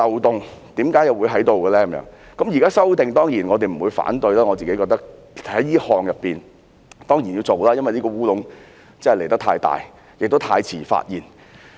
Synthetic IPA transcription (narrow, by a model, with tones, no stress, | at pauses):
tɐ˨wt̪ʊ˨ŋt̪iː˨˥mkaː˨˥jɐ˨wu˨˧jɦɐ˨˥jt̪o˨wɡəː˧lɛː˥kɐ˨˦mjœ̰˨˥ŋ | kɐ˨˥mjiː˨˩kaː˥sɐ˥wt̪ɪ˨ŋt̪ɔː˥ŋjiː˨˩nŋɔː˨˧e˨˩m̩˨˩wuː˨˧jfa̰ː˨˥nt̪ɵ˧jlaː˥ŋɔː˨˧t͡siː˨ke˦˥kɔː˧k̚t̪ɐ˥k̚ | hɐ˨˦jliː˥hɔː˨ŋjɐ˨pːiː˨n | t̪ɔː˥ŋjiː˨˩njiː˧t͡so˨wlaː˥jɐ˥nwɐ˨nliː˥kɔː˧wuː˥lʊ˨˥ŋ | t͡sɐ˥hɛ˨le˨˩jt̪ɐ˥t̪ʰaː˧jt̪a̰ː˨j | jɪ˨k̚t̪o˥wt̪ʰaː˧jt͡sʰiː˨˩fa̰ː˧t̚jiː˨˩n